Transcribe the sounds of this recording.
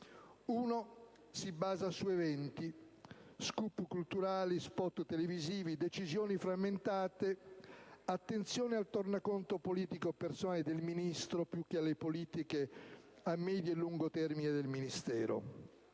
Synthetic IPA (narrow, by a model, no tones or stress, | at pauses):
uːno | sibaːzasuevɛnt̪i | skuːpukult̪uɾaːlispɔt̪t̪eleviziːvid̪et͡ʃizjoːnifɾamːent̪aːt̪e | at̪ːent̪sjoːnealt̪ornakont̪opoliːt̪ikopersonaːled̪elminist̪ɾopjuk̟ːealːepoliːt̪ike | amːɛːd̪jelːuŋɡot̪ɛrmined̪elminist̪ɛːɾo̰